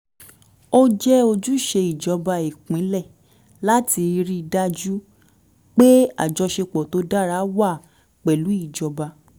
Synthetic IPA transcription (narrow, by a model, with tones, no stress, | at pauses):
o˦d͡ʒɛ˦o˧d͡ʒu˦ʃe˧i˨d͡ʒɔ˧ba˧i˨kĩ˨˦lɛ˦˨ | la˦ti˧ɾi˦˧da˦d͡ʒu˦ | k͡pe˦a̰˦˨d͡ʒɔ˧ʃe˧k͡pɔ˨to˨˦da˦ɾa˦wa˦˨ | k͡pɛ˨lu˨˦i˦˨d͡ʒɔ˧ba˧